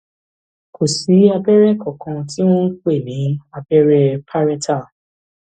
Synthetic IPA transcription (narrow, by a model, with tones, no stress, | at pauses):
kʰo˨si˨˦a˧bɛ˦ɾɛ˦˨kɔ˨kɔ̃˧ti˦w̃ɔ̃˦k͡pe˦˨nĩ˨˦a˧bɛ˦ɾɛ˦pʰa˦ɾɛ˦tʰa˦˨